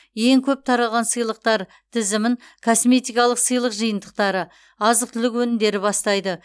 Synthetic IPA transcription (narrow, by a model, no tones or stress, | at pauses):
je̞ŋkʲʰɵp̚t̪ʰɑɾɑlˠʁɑnsɨjlˠəq̚t̪ɑɾ | t̪ʰɪzɪmɪŋ | kʰosme̞t̪ijkɑlˠəqsɨjlˠəqʒəjənd̪əq̚t̪ɑɾə | ɑzəqt̪ʰʏlɪkwɵnɪmd̪e̞ɾɪbɑst̪ɑjd̪ə